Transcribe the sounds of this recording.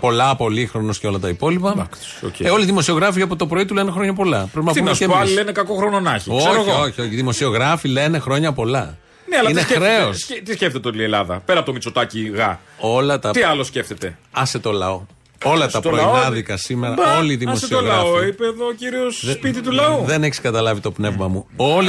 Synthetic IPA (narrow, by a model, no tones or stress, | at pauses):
po̞lɐpo̞lixɾo̞nosceo̞lɐt̪ɐipo̞lipɐk | oceo̞liðimo̞sio̞ɣɾɐfiɐpot̪o̞pɾo̞it̪ule̞nexɾo̞ɲɐpo̞lɐpɾepinɐp̪umeseɐlilenekɐkoxɾononɐçisooɣooçioçiðimo̞sio̞ɣɾɐfile̞ne̞xɾo̞ɲɐpo̞lɐ | neɐlɐineɾe̞o̞st̪isceft̪et̪eolielɐðɐ̰pe̞ɾɐpot̪omit͡sot̪ɐciɣɐ̰ | o̞lɐt̪ɐt̪iɐlo̞sce̞ft̪e̞t̪e̞ɐset̪o̞lɐ̰o̞ | o̞lɐt̪ɐɾoinɐðikɐsimeɾɐoliðimoseolɣɾɐɐoipeːðociɾiospit̪̬it̪ulɐuðe̞neçi̥skɐt̪ɐlɐvit̪o̞pne̞vmɐmuo̞li